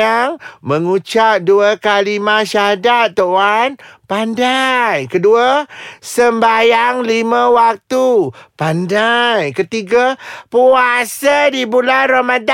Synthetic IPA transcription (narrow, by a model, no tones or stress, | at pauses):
aŋməŋut͡ʃap̚duakalimaʃaɦadat̪ːoanpandajkəduəsəmbajaŋlimə̃wak̚t̪upandajkət̪iɡapuasadibulanromada